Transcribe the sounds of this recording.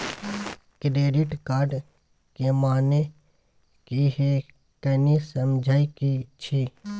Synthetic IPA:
kɾeːɖɪʈkaːɾɖ | kemaːne | kiɦe | kənisəmd͡ʒʱaːikit͡ʃʰi

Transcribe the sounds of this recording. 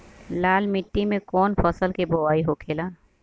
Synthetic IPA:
laːlmɪʈːimẽkɔːnpʰəsəlkeboʋaːiɦokʰeːlaː

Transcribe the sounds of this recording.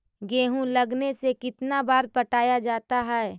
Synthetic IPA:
ɡeːɦũlɐɡnesekɪt̪nabaːɾpɐʈaːjad͡ʒaːt̪aɦɛː

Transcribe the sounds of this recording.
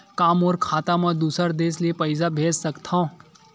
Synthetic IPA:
kaːmɔːɾkʰaːt̪amɐ̃d̪uːsəɾd̪eːsliepɐɪzabʱeːd͡ʒsɐkt̪ʰã

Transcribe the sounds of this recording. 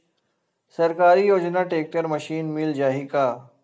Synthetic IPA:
sɐɾkaːɾijoːd͡ʒnaʈeːk̚ʈəɾmɐʃiːnmɪld͡ʒaːɦikaː

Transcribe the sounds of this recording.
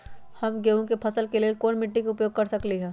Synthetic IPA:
hɐmɡeːʋõkepʰɐsəlkeliekoːnmɪʈːikeʊpjoːɡ̚kɐɾsɐkliɦɛ̃ː

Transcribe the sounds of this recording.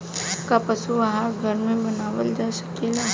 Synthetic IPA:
kapɐsuaɦaɾɡʱɐɾmẽbɐnaːʋəld͡ʒaːsɐ̥keːla

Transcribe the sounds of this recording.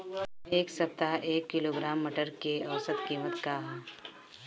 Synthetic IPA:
eːksɐp̚t̪aʔeːkːɪloːɡɾaːmːəʈəɾkeɐːsət̪kiːmət̪kaːɦ

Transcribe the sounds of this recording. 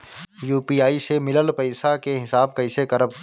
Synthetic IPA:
juːpiːaːisemɪləlpəɪsakeɦɪsaːb̚kɐɪsekəɾəb

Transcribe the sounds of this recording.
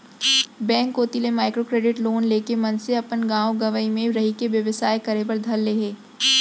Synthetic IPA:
bɛ̃ːŋkoːt̪ilemaːɪkɾokɾeːɖɪʈloːnleːkemɐ̃nseɐpənɡãːoɡɐʋəimẽɾɐɦikeʋjɐʋəsaːjkɐɾep̬ɐɾd̪ʱɐlːeːɦeː

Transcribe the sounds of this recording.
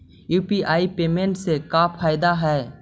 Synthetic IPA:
juːpiʔaːipeːmẽɳʈsekaːpʰaːɪd̪aɦɛː

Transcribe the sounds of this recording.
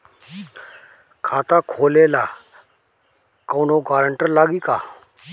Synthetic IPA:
kʰaːt̪aːkʰoːleːlaː | koːnoɡaːɾəɳʈəɾlaːɡiːkaː

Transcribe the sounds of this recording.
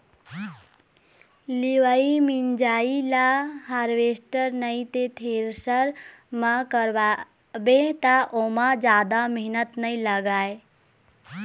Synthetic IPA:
liʋaimind͡ʒaːilaɦaɾʋeːsʈəɾnəĩt̪et̪ʰeɾsəɾ | mãkəɾba | bet̪aʔomãd͡ʒjaːd̪ameɦnət̪nəĩləɡaːe

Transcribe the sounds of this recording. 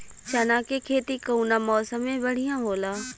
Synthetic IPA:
t͡ʃɐnãːkekʰeːt̪ikəunamɔːsəmẽbɐɽ̤ijãɦoːlaː

